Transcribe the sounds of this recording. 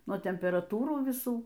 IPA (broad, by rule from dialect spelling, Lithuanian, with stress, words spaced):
nuɔ tʲɛmʲpʲɛrɐˈtuːruː ʋʲɪˈsuː